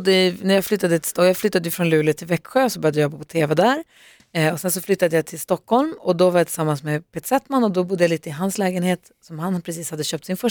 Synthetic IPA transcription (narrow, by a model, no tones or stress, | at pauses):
d̪ːənæɾjɑflʏt̪ːad̪ət̪ʰɪ̥st̪ːjɑːflʏt̪ːad̪əjɪfɾɔnlʉ̟ːlət̪ʰɪlvɛkːɧøːɔsɔbœɾjad̪əjɔbːapʰɔt̪ʰeːvɛd̪æɾ | ɔsɛns̬ɔflʏt̪ːad̪əjat̪ʰɪlst̪ɔkːhɔlmɔd̪ɔvaɾjat̪ʰɪ̥samːansmɛpʰeːt̪sɛt̪manːɔd̪ɔbʊd̪ːəjaliːt̪əɪɦanslɛːɡənheːt̪ | sɔmhanpʰɾɛsiːshad̪ːəɕøːpt̪sɪnfœ